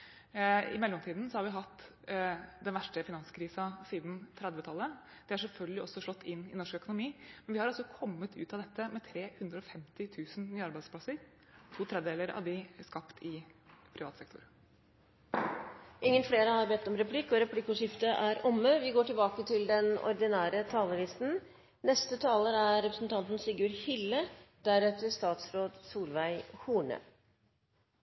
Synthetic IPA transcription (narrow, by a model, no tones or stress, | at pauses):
ɪ̰mɛlːɔmt̪iːd̪n̩sɔhɑɾʋɪɦɑt̪ː | d̪ɛnʋæʂʈəfɪnɑnskʰɾiːsɑsiːd̪nt̪ʰɾɛd̪ʋət̪ʰɑlːə | d̪̥ɛæʂɛlfœlɡəlɪʔɔsːɔʂɔt̪ːɪnːɪ̰nɔʂkœkʊnʊmiːmɛnʋɪhɑɾɑlsɔkʰɔmːət̪ʰʉ̰ːt̪ɑʋd̪ɛt̪ːəmɛt̪ʰɾeːhʉnd̪ɾəɔfɛmt̪ɪt̪ʰʉːsn̩nyːɑɾbæɪspʰlɑsəɾ | t̪ʰuːt̪ʰɾɛd̪ʋd̪eːləɾɑ̰ʋd̪ɪskɑpt̪ʰɪpʰɾɪʋɑːt̪sɛk̚t̪ʰʊɾ | ʔɪŋːənfleːɾəhɑɾbɛt̪ːɔmɾɛpʰlɪkːɔɾɛpʰlɪkːʊʂɪft̪əʔæɾɔmːəʋɪɡoːʈɪlbɑːkət̪ʰɪld̪ɛnɔ̰ɾd̪ɪnæːɾət̪ʰɑːləlɪst̪n̩ | nɛst̪ət̪ʰɑːləɾæɾɛpɾəsn̩t̪ʰɑnt̪ən̩sɪɡʉːɾhɪlːəd̪̥æɾɛt̪əʂt̪ɑːt̪sɾoːd̪suːɾʋæɪhuːɳə̰ː